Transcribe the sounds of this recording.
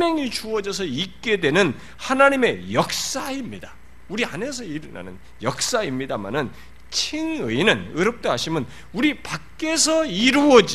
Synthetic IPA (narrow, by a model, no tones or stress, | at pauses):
mʌŋit͡ɕuwʌd͡ʑʌsʰʌit̚k͈e̞dwe̞nɯn | hanaɲime̞jʌk̚s͈aimɲida | uɾiane̞s̬ʰʌiɾɯna̰nɯn | jʌk̚s͈aimɲidama̰nɯn | t͡ɕʰiŋɯinɯnɯɾʌp̚t͈oɦaɕʰimjʌn | uɾipakk͈e̞sʰʌiɾuʌd͡ʑi